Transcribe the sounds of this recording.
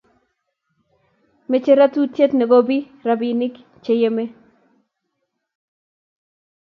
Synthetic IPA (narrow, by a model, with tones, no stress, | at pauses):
me˨t͡ʃe˦ɾa˦t̪u˦tje˦t̪ne˨ɡo˦bi˦ | ɾa˨bi˨nɪ˦k | t͡ʃe˨je˦me˦